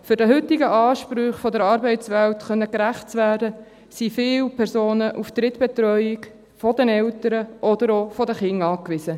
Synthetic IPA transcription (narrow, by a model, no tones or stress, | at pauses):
fʏɾdəɦʏtiɡəʔɑːʃpɾʏχfɔd̪əɾɑɾbɛɪtsʋæltχœnːəkɾæχt͡sʋæːrdə | sifɪːwpʰɛɾsoːnəʔuft̪ɾɪtb̥ɛt̪ɾœʏik | fɔd̥ənɛltəɾəʔɔd̪əɾofɔdəχɪŋɑːkʋɪzə